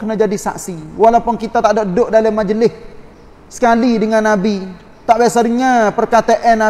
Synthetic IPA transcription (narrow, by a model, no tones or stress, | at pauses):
kənad͡ʒadisa̰ksiwalapʊnkit̪at̪aʔdaʔədʊʔ̚dalamad͡ʒəlɪs | sə̥kalidəŋanːabi | t̪aʔbiasadəŋapərkat̪eʔɛnːa